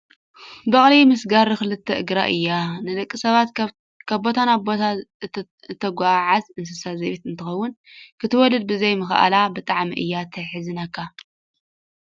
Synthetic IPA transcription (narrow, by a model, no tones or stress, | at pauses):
bɐχʼlimɨsɡaɾɨkɨlɨt̪ʰːɐʔɨɡɾa̰ʔɨjːanɨd̪ɐkʼːisɐβat̪ | kʰaβbo̞t̪ʰanaboa | t̪ʰːɐɡʷaʕazɨns̬ɨsazɐβit̪ɨnt̪ʰɨxɐwːʊn | kʰɨt̪ʰɨwɔlɐd̪̚bɨzejmɨxʔa̰labɨt̪ʼaʕmḭʔɨ̰jːat̪ʰɐħɨzɨnakʰːa